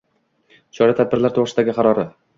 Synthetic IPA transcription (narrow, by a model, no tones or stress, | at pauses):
t͡ʃʰɒɾat̪ʰad̪bɪɾlaɾt̪ʰoʁɾɪsd̪aɡʲɪqʰɑɾɒɾɪ